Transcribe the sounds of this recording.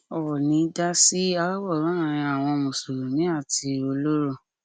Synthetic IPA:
ɔ˨nĩ˨˦da˦si˦a˧lɔ˦wɔ˦˨ɾã˨˦ã˨ĩ˧a˨w̃ɔ̃˧mũ˨so˨ɾu˨nĩ˨˦a˦˨ti˧o˧lo˦ɾo˦˨

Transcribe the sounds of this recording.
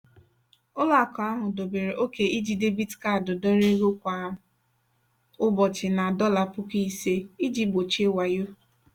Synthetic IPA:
ʊ˦la˦˨kɔ˨a˦ɦʊ˨do˨be˨ɾe˨ʔo˦ke˨ʔi˦d͡ʒi˨de˦bi˦dka˦˨dʊ˨dɔ˦ɾe˦ɾo˦kʷa˨ | ʊ˦bɔ˨t͡ʃɪ˨na˨dɔ˦la˨pʊ˦ki˦se˦i˦d͡ʒi˦bo˨t͡ʃe˦wa˨jo˦

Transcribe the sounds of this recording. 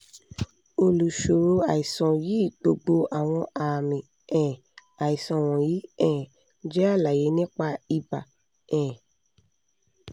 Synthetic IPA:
o˧lu˨ʃo˨ɾo˨˧a˨i˨sɔ̃˨ji˨˦˨k͡po˧ɡ͡bo˧ʔa˨w̃ɔ̃˧ʔa˨mĩ˨ | ɛ̃˨ | a˨i˨sɔ̃˨w̃ɔ̃˨jiː˨˦ɛ̃˦˨ | d͡ʒɛ˦a˦˨la˨je˨˦nĩ˦k͡pa˧i˧ba˨ | ɛ̃ː˨

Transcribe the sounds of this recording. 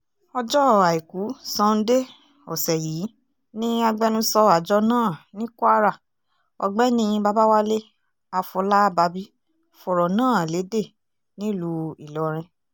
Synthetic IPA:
ɔ˧d͡ʒɔ˦˨a˨i˨ku˨˦sã˧n̩˦de˦ | ɔ̰˨sɛ˨ji˨˦ | nĩ˦a˧ɡ͡bɛ˧˦nũ˦sɔ˧a˨d͡ʒɔ˧˦nãː˦˨nĩ˦ku˦a˦ɾa˦˨ | ɔ̰˧ɡ͡bɛ˦nĩ˦˧ba˧ba˦wa˦le˦ | a˧fɔ˧la˦ba˧bi˦ | fɔ˨ɾɔ˨nãː˦˨le˨˦de˦˨ | nĩ˦lu˧˦i˨lɔ˨ɾ̃ĩ˧

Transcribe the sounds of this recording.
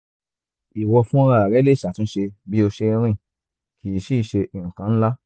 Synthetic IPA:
i˨wɔ˧fũ˦ɾa˦˨a˨ɾɛ˨˦le˦˨ʃa˨tĩ˧˦ʃe˧bi˦o˧ʃe˧ɾ̃ĩ˦˨ | ki˨i˨ʃi˦ʃe˧ʔĩ˨kã˨˦n̩˦la˦

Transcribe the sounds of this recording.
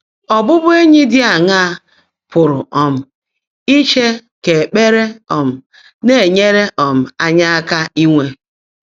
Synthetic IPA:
ɔ˨bʊ˦bʊ˦e˦ɲɪ˦dɪ˦a˨ŋa˦˨ | pʊ˨ɾʊ˨ɔ˨m̩˨ | i˦t͡ʃe˦ke˨k͡pe˦ɾe˦ɔ˨m̩˨ | ne˦˨ɲe˦ɾe˦ʔɔ˨m̩˨a˦ɲa˦a˦ka˦i˦ŋʷe˦

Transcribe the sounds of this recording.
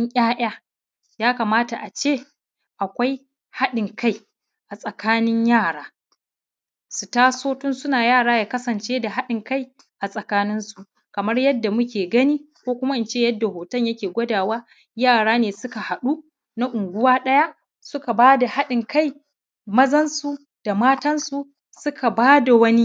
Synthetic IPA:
ɪ˦ŋʔʲʼaː˦ʔʲaː˦ | jaː˦ka˨maː˦ta˨ʔa˨t͡ʃeː˦˨ | ʔa˨kʷa˦j | ha˦ɗɪ˨ŋkʰa˦j | ʔa˨sʼɐ˨kaː˦nɪ˦ɲjaː˦˨ɽaː˦ | su˨taː˦soː˦tʊ˦nsʊ˦naː˨jaː˦˨ɽaː˦ja˨kɐ˦sɐ˨nt͡ʃeː˦da˨ɦa˦ɗɪ˨ŋka˦j | ʔa˨sʼɐ˨kaː˦nɪ˦nsu˨ʔ | kɐ˨mɐ˦rjɐ˦dːa˨mʊ˦kʲʰeː˨ɡɐ˦niː˦ | kʷoː˦kʷʊ˦ma˦ʔɪ˦nt͡ʃeː˦˨jɐ˦dːa˨hoː˨tɐ˦ɲjɐ˦kʲeː˨ɡʷɐ˦daː˨waː˦ | jaː˦˨ɽaː˦neː˨sʊ˦ka˨ha˨ɗu˦ | na˦ʔʊ˨ŋɡʷʊ˦waː˦ɗɐ˦ja˦ʔ | sʊ˦ka˨baː˦da˨ha˦ɗɪ˨ŋka˦˨j | mɐ˦zɐ˦nsu˨ | d̥a˨maː˦tɐ˦nsu˨ | sʊ˦kʰa˨baː˦da˨wɐ˦ni˦

